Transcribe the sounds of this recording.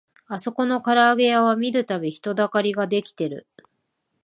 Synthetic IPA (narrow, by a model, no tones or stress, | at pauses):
aso̞ko̞no̞kaɾaːɡe̞jaβ̞amʲiɾɯ̟t̪abʲiçi̥t̪o̞d̪akaɾʲiɡad̪e̞kʲi̥t̪e̞ɾɯ̟̰